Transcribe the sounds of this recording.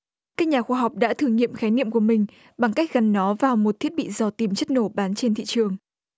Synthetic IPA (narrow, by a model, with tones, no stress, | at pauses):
kaː˦˥k̚ɲaː˨˩xwaː˧ɦa˨˩wk͡p̚ɗa̰ː˧˥t̪ʰɨ˨˧əŋɲḭ˧˨əmxaː˨˦jnḭ˧˨əmku˧˩əmï˨˩ŋ̟ | ɓa˨˩ŋka˦˥jk̟̚ɣa˨˩nːɔ˨˦vaː˨˩wmo˨˩t̚t̪ʰi˦˥ət̚ɓḭ˧˨zɔ˨˩t̪i˨˩mt͡ɕə˦˥t̚no˧˩ɓaː˨˦nt͡ɕe˧nt̪ʰḭ˧˨t͡ɕɨ˨˩əŋ